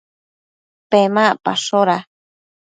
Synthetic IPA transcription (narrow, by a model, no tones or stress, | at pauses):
pemãpa̰ʃoɾa